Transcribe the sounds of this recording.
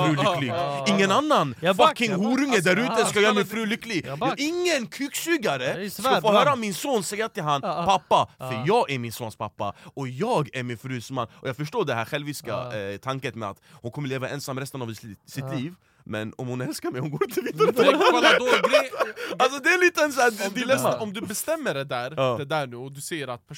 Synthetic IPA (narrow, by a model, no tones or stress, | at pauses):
fɾʉːlʏkːlɪɡɪŋːənanːanfakːɪŋɦuːɾʉŋəd̪æɾʉːt̪əskajœːɾmɛfɾʉːlʏkːlɪɡʔɪŋːənkʰʉksʉːɡaɾəsɔfoːɦœːɾaɔmɪnsoːnsɛjːat̪ʰɪlɦanpʰapːafœɾjɑːɡæɾmɪnsoːnspʰapːaɔjɑːɡæɾmɪnfɾʉːsma̰nːɔjɑːɡfœʂʈoːɖɛhæːɾɧɛlvʋɪska̰t̪ʰaŋkət̪mɛa̰t̪hʊnkʰɔmːəɭeːvaʔɛnsamːɾɛst̪ənavsɪt̪liːv | mɛnɔmhʊnɛlskaɾmɛjhʊnɡoːɾt̪ʰɪlviːd̪ə | alsɔd̪ɛæliːt̪əɛnsæd̪d̪ɛlɛsɔmd̪ʉbɛst̪ɛmːəɖɛd̪æːɾɑːd̪ɛd̪æːɳʉːɔd̪ʉsɛjəɾat̪̚pʰ